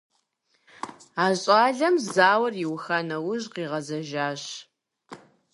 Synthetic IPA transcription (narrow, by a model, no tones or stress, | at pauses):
aːɕʼaːɮɐmzaːwɐrjiwxanɐwʊʑqiːʁɐzɐʒaːɕ